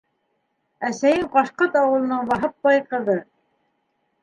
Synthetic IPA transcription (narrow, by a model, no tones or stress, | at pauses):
æsæjɘɴqɑʃqɤt̪ɑwɤ̆lˠɤ̆nɤɴbɑɦɤp̚bɑjqɤ̆ðɤ